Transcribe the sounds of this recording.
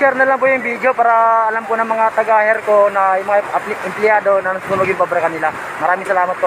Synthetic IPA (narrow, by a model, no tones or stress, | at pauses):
sɛɾnɐlaŋpʊjʊŋbid̪opaːɾɐːlamkonɐŋmɐŋat̪ɐɡaːhɛɾkonɐjʊŋmɐŋaʔɪmplɪjaːd̪o̞nɐnɐsuːnoɡjʊŋpabɾɐkɐnɪla | mɐɾaːmɪŋsɐlaːmɐt̪̚po